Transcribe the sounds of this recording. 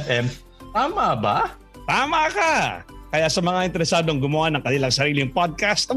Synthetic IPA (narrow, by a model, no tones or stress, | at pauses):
fʔɛm | t̪aːmɐba̰ | t̪aːmɐkɐkɐjasɐmɐŋaʔɪnt̪ɛɾɛsaːd̪oɐŋɡʊmʊwanɐŋkɐnɪlaŋsɐɾiːlɪŋpod̪̚kast̪ɐ